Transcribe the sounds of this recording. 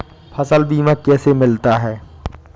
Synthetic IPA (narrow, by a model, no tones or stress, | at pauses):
pʰɐsəlbiːmãkɛːsemɪlt̪aɦɛː